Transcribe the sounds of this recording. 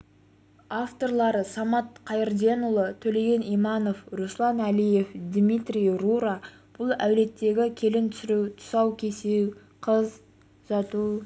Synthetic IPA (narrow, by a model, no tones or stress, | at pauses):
aft̪o̞rlˠɑɾəsɑmɑt̪̚qʰɑjɪɾd̪e̞nʊlˠət̪ʰɵle̞ɡʲe̞nijmɑno̞fɾuslˠɑnælije̞fd̪mʲit̪rʲijɾuɾa | b̥ʊlˠæ̰wle̞t̪ːe̞ɡʲɪkʲʰe̞lɪnt̪ʰʏ̥sɪɾuwt̪ʰʊ̥sɑwkʲʰe̞sew | qʰəz | ʒɑt̪u